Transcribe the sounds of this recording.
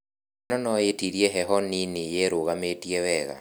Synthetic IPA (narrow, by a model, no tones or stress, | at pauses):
nɔnɔetiɾiɛɦɛɦɔninijeɾoɣametiɛwɛɣa̰